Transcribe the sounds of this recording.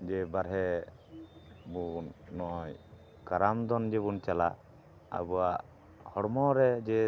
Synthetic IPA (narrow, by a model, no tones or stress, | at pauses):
d͡ʒɛbaɾɦɛ | bunːɔʔɔj | kaɾamd̪ɔnd͡ʒɛbunt͡ʃala̰ | a̰bɔwaʔ | hɔɽmɔɾɛd͡ʒɛ